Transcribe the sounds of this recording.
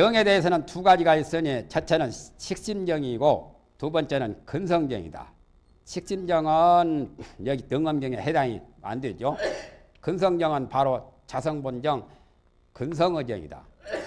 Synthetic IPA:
jʌŋe̞de̞ɦesʰʌnɯntuɡad͡ʑiɡais͈ɯɲet͡ɕʰʌt͡ɕʰenɯnɕʰik̚ɕ͈imd͡ʑʌŋiɡo | tubʌnt͡ɕ͈e̞nɯnkɯnsʰʌŋd͡ʑʌ̰ŋḭda̰ | ɕʰik̚ɕ͈imd͡ʑʌŋɯnjʌɡitɯŋʌmɡjʌŋehe̞daŋḭma̰ndwed͡ʑo | kɯnsʰʌŋd͡ʑʌŋɯnpaɾot͡ɕasʰʌŋbond͡ʑʌŋ | kɯns̬ʰʌŋɯd͡ʑʌ̰ŋḭda̰

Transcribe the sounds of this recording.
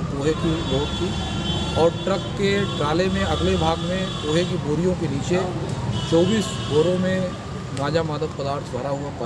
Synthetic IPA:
poːɦekiloːkt̪ʰi | ɔːɾʈɾɐkːeʈɾaːlemẽɐɡlebʱaːɡmẽpoːɦekiboːɾijõkeniːt͡ʃet͡ʃɔːbiːs | ɡoːɾõmẽ | naːd͡ʒamaːd̪ətpɐd̪aːɾt̪ʰbʱaɾaɦʊapa

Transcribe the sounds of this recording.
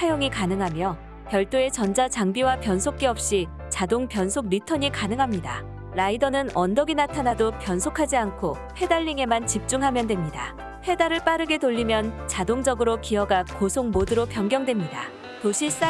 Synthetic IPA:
ajoŋikanɯŋɦamjʌ | pjʌɭt͈oe̞t͡ɕʌnd͡ʑat͡ɕaŋbiwapjʌnsʰok̚k͈eʌp̚ɕ͈i | t͡ɕadoŋpjʌnsʰok̚ɾitʰʌɲikanɯŋɦamɲida̰ | ɾaidʌnɯnʌndʌɡinatʰanadopjʌnsʰokʰad͡ʑiankʰo | he̞daʎːiŋe̞mant͡ɕip̚t͡ɕ͈uŋɦamjʌndwe̞mɲida | ɸe̞daɾɯɭp͈aɾɯɡe̞toʎːimjʌnt͡ɕadoŋd͡ʑʌɡɯɾokiʌɡakosʰoŋmodɯɾopjʌŋɡjʌŋdwe̞mɲida̰ | toɕʰis͈a

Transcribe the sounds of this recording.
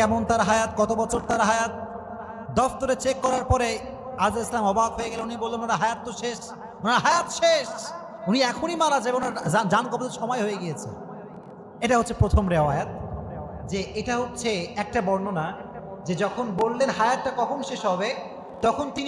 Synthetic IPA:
ɛmont̪aɾɦajat̪̚ɡɔt̪obɔt͡ɕʰoɾt̪aɾɦajat̪̚ | d̪ɔft̪oɾet͡ɕekːɔɾaɾpɔɾe | azaeslamɔbad̪ɦojeɡɛlenunibolːenonaɾaɦajat̪ːoʃeʃ | onaɾaɦajat̪ʃeʃ | uniɛkʰonimalad͡ʑabeonaɾad͡ʑankɔpod̪eɾʃɔmɔjɦojeɡijet͡ɕʰḛ | eʈaɦot̪ːɕʰepɾot̪ʰomɾeajat̪̚ | d͡ʑeeʈaɦot̪ːɕʰeɛk̚ʈabɔɾnona | d͡ʑed͡ʑɔkʰonbolːenɦajat̪ʈakɔkʰonʃeʃɦɔbe | t̪ɔkʰont̪in

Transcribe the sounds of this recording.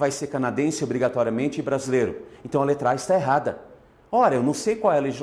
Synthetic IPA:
vajseɾkɐ̃nad̪ẽsɪobɾiɡat̪ɔɾiɐmẽnt͡ʃɪbɾazilejɾʊẽnt̪ɐ̃w̃ɐlet̪ɾaɪst̪aeɦad̪ɐ | ɔɾɐewnɐ̃w̃sejkwawɛɐleʒiz

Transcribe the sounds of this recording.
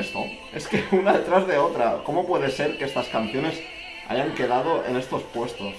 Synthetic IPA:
st̪o̰ | e̞skeunaðet̪ɾazðe̞ot̪ɾako̞mo̞pweðe̞se̞ɾkeest̪askan̟θjo̞ne̞s | a̰jaŋke̞ðað̞o̞ʔḛne̞st̪o̞spwe̞st̪o̞s

